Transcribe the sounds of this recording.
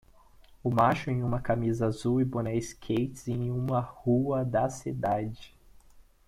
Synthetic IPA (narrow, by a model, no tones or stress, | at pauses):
ʊmaʃʊẽj̃ũmɐkamizɐazuwɪbonɛɪskʰejt͡ʃɪzẽj̃ũmɐhuɐd̪ɐsid̪ad͡ʒɪ